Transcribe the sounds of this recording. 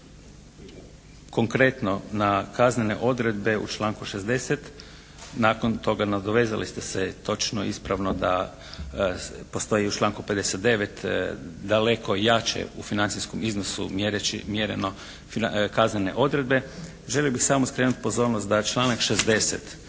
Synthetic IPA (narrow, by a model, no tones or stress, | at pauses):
ko̞ŋkɾe̞t̪no̞nakaznenḛʔo̞d̪ɾe̞d̪̚be̞ṵt͡ʃlˠaːŋkuʃezd̪e̞set̪ | naːkont̪o̞ɡanad̪oʋeza̰lḭst̪eset̪o̞t͡ʃnoispɾaʋnod̪a | post̪o̞jiut͡ʃlˠaːŋkupe̞d̪eset̪̚d̪e̞ʋet̪d̪ale̞kʰo̞jaːt͡ʃḛṵfinant̪sisko̞miznosṵmjeɾet͡ʃḭmjeɾḛno̞ | akaznene̞̰ʔo̞d̪ɾe̞d̪̚be̞ | ʒe̞liobixsaːmoskɾenut̪̚ʲpo̞zo̞ːɾnost̪d̪at͡ʃlˠaːnakʃezd̪e̞sḛt̪